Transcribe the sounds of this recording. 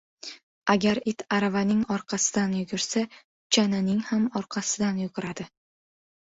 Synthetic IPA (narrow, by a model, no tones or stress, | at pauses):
aɡʲaɾɪt̪ʰaɾavanɪŋɒɾqʰɑsɪd̪anjʊɡʲʊɾsa | t͡ʃʰananɪŋhamɒɾqʰɑsɪd̪anjʊɡʲʊɾad̪̥ɪ